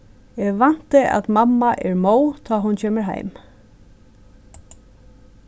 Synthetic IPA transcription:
ɛɣʋan̥t̪ɪa̰ðt̪mamːaʔɛɹmoːwt̪ʰɔːɦʊnt͡ɕʰeːmɪɹɦa̰jm

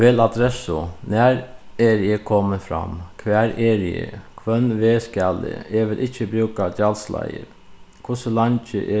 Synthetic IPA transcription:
ʋeːlɑd̪ɾɛsʊnæːɾeːɾɪəkʰɔməfɾɑ̰mkʰʋæːɾeːɾɪə̰kʰʋœnʋeːskælə̰eːʋɪlʔɪçəbɾʉːkɑd̪ɑlslɑ̰ɪə̰ | kʰʊsəlɑnt͡ʃə̰ʔe

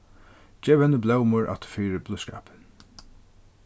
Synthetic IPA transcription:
d͡ʒɛːvɛnəblɛwmʊɹʔa̰t̪fiːɾɪblʊska̰ːp̪

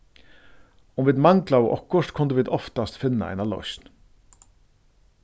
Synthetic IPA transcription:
ʊmviːd̪maŋklawʔɔ̰kːʊʂt̪kʰʊnd̪əʋiːd̪ɔft̪ast̪fɪnːa̰ɛ̰ɪnalɔ̰sn

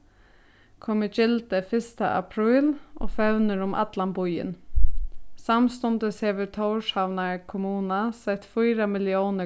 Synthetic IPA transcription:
kʰɔmət͡ʃɪlt̪əfɪst̪aʔa̰pʰɾiːlʔɔ̰ːfœʋnəɾʊmʔa̰d̪lambʊjɪ̰n | samst̪ɔnd̪əshɛːʋəɾt̪ʰoʊʂhaʋnakʰʊmuːnasɛt̪fujɾamɪljoːnə

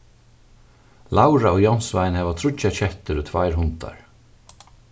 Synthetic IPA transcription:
lawɾaɔjɔwnsvajnhɛːvat̪ʰɾʊt͡ʃat͡ɕɛht̪ɪɾut̪ʰvajɾɦʊnt̪a̰ɹ

